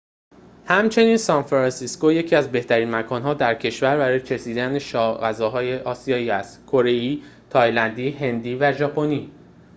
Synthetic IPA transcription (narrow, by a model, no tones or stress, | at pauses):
hæmt͡ʃʰe̞niːnsɒnfɾɒnsisko̞je̞cʰiːæzbe̞ht̪æɾiːnmækʰɒːnɦɒːd̪æɾcʰe̞ʃvæɾbæɾɒːjet͡ʃʰesiːd̪æneʃɒːɣæzɒːɦɒːje̞ʔɒːsijɒːiːæst̪kʰo̞ɾe̞jiːt̪ʰɒːjlænd̪iːɦe̞nd̪iːvæʒɒːpʰo̞ni